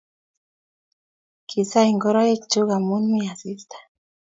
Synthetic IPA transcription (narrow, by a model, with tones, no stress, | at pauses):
kʰi˨sa˦iŋɡɔ˦ɾa˦je˦kt͡ʃu˦ɣa˨mu˦nmi˦a˨si˦st̪ḁ˨